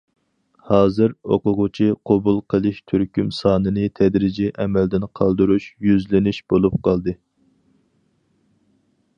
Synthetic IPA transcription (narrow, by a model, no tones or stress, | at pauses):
hɑːzɨɾo̰qʊʁʊt͡ʃʰiqʰobulˠqʰəlˠɨʃt̪ʰyɾkʲʰymsɑːnɨnɨt̪ʰɛd̪ɾɪd͡ʒiʔɛmɛld̪ɪnqʰɑlˠd̪uɾuʃjyzlɪnɪʃb̥olˠup̚qʰɑlˠd̪ɨ